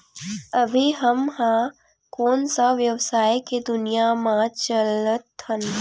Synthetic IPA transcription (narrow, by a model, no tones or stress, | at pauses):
ɐbʱiɦɐmhã | kɔːnsaʋjəwsaːjeked̪ʊnijamãt͡ʃələt̪hən